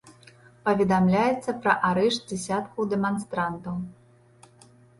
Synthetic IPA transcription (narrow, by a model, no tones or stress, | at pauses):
pɐvʲɛd̪amlʲajɛt̪sːɐpɾɐʔaɾɛʂt̪̚d͡zʲɛsʲat̪kud̪ɛmanst̪ɾant̪ɐw